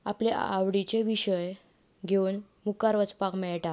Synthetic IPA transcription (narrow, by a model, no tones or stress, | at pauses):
a̰pleʔa̰ʋɽit͡ɕeʋiɕəj | ɡʱeun | mukaɾʋət͡spakmɛɭʈa